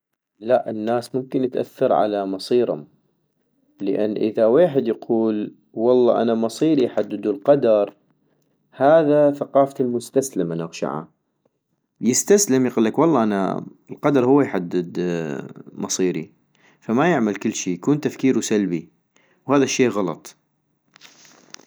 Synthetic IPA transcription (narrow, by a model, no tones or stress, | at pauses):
laʔənːaːsmʊmkɪnət̪ʔa̰θːɑɾˤʕa̰lamɑsˤiːɾhʊ̰m | ləʔa̰nːʔɪðaweːħɪd̪jaqʰuːl | wɑlˤːɑ̰ːʔanamɑsˤiːɾijħad̪ːɪd̪ulqɑd̪ɑɾˤ | haːðaθaqɑːfalmʊst̪aslɪmanaɣʃa̰ʕa̰ | jɪst̪aslɪmjquːlːakwɑlˤːɑːʔana̰ɪlqɑd̪ɑɾˤhʊwːajħad̪ːɪd̪ | mɑsˤiːɾḭ | famajɪʕmalkɪlːʃiːjakuːnt̪afkiːɾwsalbi | whaːðaʃːeːɣɑlɑ̰t̪ˤ